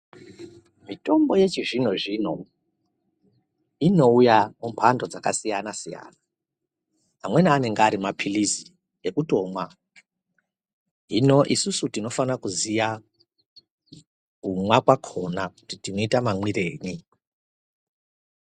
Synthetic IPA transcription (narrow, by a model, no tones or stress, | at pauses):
mito̞mbo̞je̞t͡ʃiʐino̞ʐino̞ | ino̞ujamumpʰando̞d͡zakasijanasija̰na | ɦamwe̞niane̞ŋɡaɾimapʰilizi | ekuto̞mwa | ɦino̞ʔisusutino̞fanakuzija | kumwakwakʰo̞naku̥titino̞itamamwire̞ːɲi